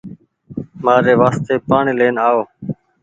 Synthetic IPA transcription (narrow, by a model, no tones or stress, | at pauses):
maːɾeːʋaːst̪eːpaːɳiːleːnaːoː